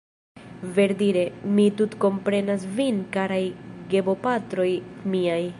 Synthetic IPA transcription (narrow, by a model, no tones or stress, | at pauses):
ve̞ɾdiɾe̞mitutko̞mpɾe̞nasvinkaɾajɡe̞bo̞patɾo̞jmiaj